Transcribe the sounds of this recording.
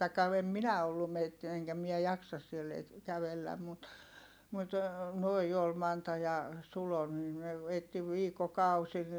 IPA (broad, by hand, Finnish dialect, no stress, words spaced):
tɑikːɑ em minæ olːum metːi eŋkæ mie jɑksɑs sielː e kæʋelːæm mut mut noi ol mɑntɑ jɑ sulo niː ne etːi ʋiːkːokɑusi